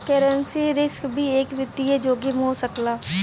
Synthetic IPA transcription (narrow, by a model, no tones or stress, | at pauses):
kɛɾənsiɾɪskbʱiːeːkʋɪt̪ied͡ʒoːɡimɦoːsəklaː